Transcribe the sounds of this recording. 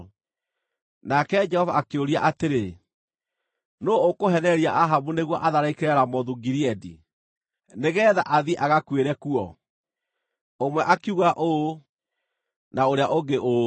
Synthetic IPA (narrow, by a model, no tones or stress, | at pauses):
nakɛd͡ʒɛhɔvaːkeoɾia̰ʔateɾe | noːkoɦɛnɛɾiaʔaɦamuneɣwɔʔaðaɾaikeɾɛɾamɔðuɡiɾiɛdḭ | neɣɛða̰ʔaðiʔaɣakweɾɛkuɔ | omwɛʔakiuɣaʔo | naoɾeaʔoɡeʔo